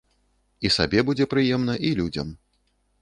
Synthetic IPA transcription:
isa̰bʲɛbud͡zʲɛpɾɨjɛmnɐʔilʲud͡zʲɐm

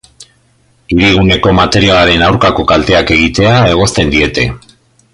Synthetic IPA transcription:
iɾiɣ̞une̞ko̞mat̪e̞ɾialaɾe̞nawɾkako̞kalt̪e̞ake̞ɣ̞it̪e̞ae̞ɣ̞o̞st̪e̞nd̪ie̞t̪e̞

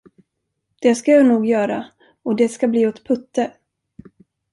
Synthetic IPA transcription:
d̪̥ɛskajɑnuːɡjœːɾa | ɔd̪ɛskabliːɔt̪pʰɵt̪ːə

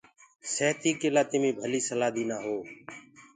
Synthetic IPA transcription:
seːt̪iːkeːlaːt̪ɪmĩːbʱəliːsəlaːd̪iːnaːɦoː

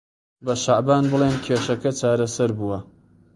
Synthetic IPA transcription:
bɐʃaʕbaːnbɨlˠeːnkʲʰeːʃɐkɐt͡ʃaːɾɐsɐɾbuwɐ

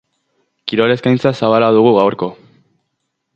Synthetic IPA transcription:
kiɾo̞le̞skajnt͡sasaβalaðuɣ̞uɣawɾko̞

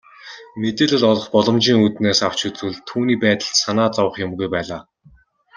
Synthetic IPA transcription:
met̪eːɮɘ̆ɮɔɮɞ̆χpɔɮɞ̆mt͡ɕiːŋut̪neːsaw̥t͡ɕɵt͡sɘ̆ɮt̪ʰuːniːpæːt̪ə̆ɬt̪sanaːt͡sawə̆χjʊmɡujpæːɮaː

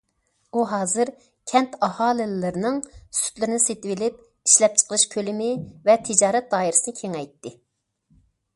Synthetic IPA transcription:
uɦɑːzɨɾ | kʲʰɛnt̪ʰɑhɑːlˠɪllɨɾnɨŋsy̥t̪lɪɾɪnɪset̪ɪvɪlɪp̚ | iʃlɛp̚t͡ʃʰə̥qəlˠɨʃkʲʰølɪmɪvɛt̪ʰɪd͡ʒɑːɾɛt̪̚d̪ɑːjiɾɪsɨnɨkʲʰeŋɛjt̪ːɪ

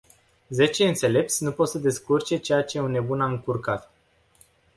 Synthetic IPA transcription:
ze̞t͡ʃe̞ɨnt̪se̞le̞p̚t̪sʲnupo̞t̪səd̪e̞skurt͡ʃe̞t͡ʃe̞jat͡ʃe̞unːe̞bunamɨŋkurkat̪

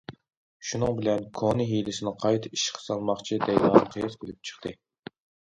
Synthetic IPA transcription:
ʃunɨŋbɪlɛnkʰonɨɦijlɪsɪnɪqʰɑjt̪ʰɨiʃqʰɑ̥sɑlˠmɑχt͡ʃʰid̪ɛjwɑnqʰijɨskʲʰelɪp̚t͡ʃʰə̥χt̪ʰɨ

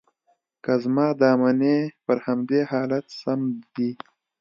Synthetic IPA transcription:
kazmɑːd̪ɑːmanepəɾhamd̪eːhɑːlat̪samd̪i

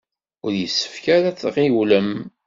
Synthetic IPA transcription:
ʊɾjəsːə̥fkæɾæt͡sːʁiwləm

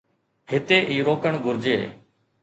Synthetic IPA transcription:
hɪt̪eːʔiːɾoːkəɳɡʱʊɾd͡ʒḛː

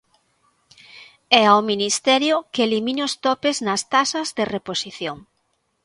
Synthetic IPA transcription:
ɛawminist̪ɛɾjʊkeelimĩnʊst̪ɔpeznɐst̪asɐzðereposiθjoŋ

